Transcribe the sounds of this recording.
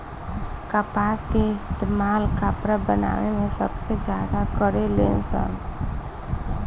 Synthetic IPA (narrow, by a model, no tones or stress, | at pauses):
kapaːskeɪst̪eːmaːlkapɾabəna̰ːʋemẽsəbsed͡ʒjaːd̪akəɾeleːnsa̰ŋ